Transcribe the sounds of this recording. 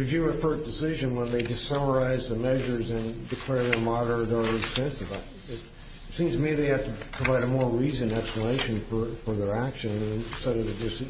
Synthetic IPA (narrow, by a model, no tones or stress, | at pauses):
ɹɨvjʉəfɜ˞t̚d̥ɨsɪʒɨ̃nwə̃nðeɪdɨsʌmə˞aɪzðɨmɛʒə˞zɨ̃ndɨkʰl̥ɛɹðə˞mɑɾə˞ðə˞ɪsɛ̃nsɨva | ɨt | tsĩmz̥tʰɨmiðeɪhæ̥tɨpʰɹ̥əvaɪɾɨmɔɹɹizɨ̃nɛkspləmeɪʃɨ̃nfə˞fə˞ðə˞ækʃɨ̃nñstɛɾə˞ðɨd͡ʒʌs